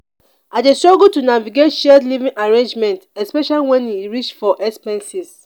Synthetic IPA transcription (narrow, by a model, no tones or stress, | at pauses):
atestɹɔɡotunaviɡetʃɛdlivĩŋʔaɹẽnd͡ʒmɛ̃ntɛspɛʃaliwɛ̃niɹit͡ʃfɔʔɛkspɛ̃nsis